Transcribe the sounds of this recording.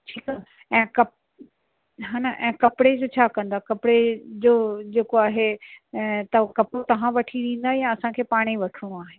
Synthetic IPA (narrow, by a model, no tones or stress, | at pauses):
ʈʰiːkaː | ɛ̃ːkɐ | ɦaːnaʔɛ̃ːkɐpɽed͡ʑoːt͡ɕʰaːkɐ̃nd̪aːkɐpɽed͡ʑoːd͡ʑeːkoaːɦe | t̪ɐkɐpɽot̪ɐʋ̤ãʋɐʈʰiɗĩːn̆d̪aːɦijãɐsãkʰeːpaːɽ̃iʋɐʈʰuɽ̃uaːɦeː